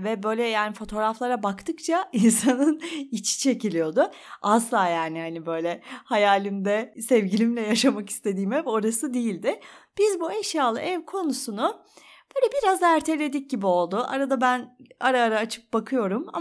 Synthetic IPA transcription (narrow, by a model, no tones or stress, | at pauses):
vɛbø̞jlʲɛjaːnifo̞t̪ʰo̞ːɾaflˠaɾabakt̪ʰɯk̚t͡ʃʰainsanɯnit͡ʃʰi̥t͡ʃʰe̞cilʲijo̞d̪ʊ | ʔaslˠaːjaːnihanibø̞jlʲɛhajaːlʲimd̪ɛsɛvɟilʲimlʲɛjaʃamaki̥st̪ʰe̞d̪iːmɛvo̞ɾasɯd̪ejilʲd̪ɪb̥izbuɛʃjaːlˠɯ̰ʔɛvkʰo̞nusunʊ | b̥øːlʲɛbiɾazæɾt̪ʰe̞lʲe̞d̪ic̚ɟibio̞lˠd̪ʊʔa̰ɾad̪abænaɾaːɾaːt͡ʃʰɯ̥k̚bakʰɯjo̞ɾuma̰